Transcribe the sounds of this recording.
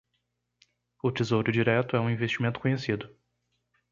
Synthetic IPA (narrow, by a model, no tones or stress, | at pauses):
ʊt͡ʃizowɾʊd͡ʒiɾɛt̪ʊɛũĩvest͡ʃimẽnt̪ʊ̥kõɲesid̪ʊ